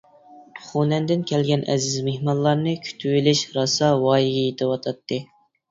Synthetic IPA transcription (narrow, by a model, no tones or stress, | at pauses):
χunɛnd̪ɪnkʲʰɛlɡʲɛnʔɛ̰zɪzmehmɑnlˠɑɾnɨkʲʰy̥t̪ʰywilɪʃɾɑsɑwɑːjiɡʲɛjet̪ʰɪwɑt̪ʰɑt̪ːɨ